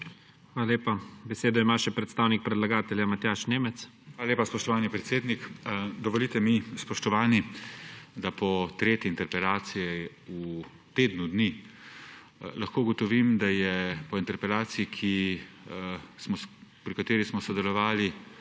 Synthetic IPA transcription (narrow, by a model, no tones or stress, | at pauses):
xʋaːlaleːpabɛseːd̪ɔimaːʃɛpɾɛt̪st̪aːwnik̚pɾɛd̪laɡaːt̪ɛljamat̪jaːʃneːmɛt̪s | xʋaːlaleːpaspɔʃt̪ɔʋaːnipɾɛt̪seːd̪nikd̪ɔʋɔlit̪ɛmispɔʃt̪ɔʋaːni | d̪apɔt̪ɾeːt̪jɛint̪ɛɾpɛlaːt̪sijɛ | u | t̪eːd̪nud̪ni | laxkoːuɡɔt̪ɔʋimd̪ajɛpɔint̪ɛɾpɛlaːt̪siikʰi | smɔpɾikat̪eːɾismɔsɔd̪ɛlɔʋaːli